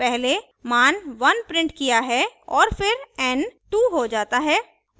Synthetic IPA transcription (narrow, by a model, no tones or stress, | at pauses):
pɛɦle | maːnʋɐnpɾɪ̃ɳʈkijaɦɛɔːɾfɪɾɛnʈuːɦod͡ʒaːt̪aɦɛː